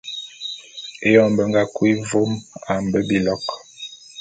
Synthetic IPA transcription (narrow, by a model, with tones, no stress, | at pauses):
e˦jɔ˨mbə˨ŋɡa˦kwi˦vo˦ma˨m˨bə˦bi˨lɔ˦k